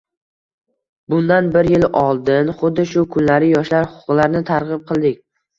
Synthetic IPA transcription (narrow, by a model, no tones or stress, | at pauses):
bʊnd̪anbɪɾjɪlɒlˠd̪ɪnχʊd̪ːɪʃʊkʰʊnlaɾɪjɒʃlaɾhʊ̥qʰʊ̥qlˠaɾnɪt̪ʰaɾʁɨp̚qʰɨlˠd̪ɪkʲ